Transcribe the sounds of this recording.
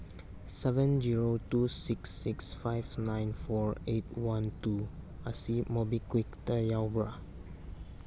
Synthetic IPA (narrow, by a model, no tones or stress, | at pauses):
sɛvə̃nziɹotusiksːiksfaɪvnãj̃nfɔɹet̚wãntuasimobikwik̚təjaʊbɹa